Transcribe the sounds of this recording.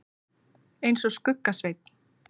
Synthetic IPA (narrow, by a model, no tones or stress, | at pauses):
ejnsɔskʏkːasvejt̪̚n̥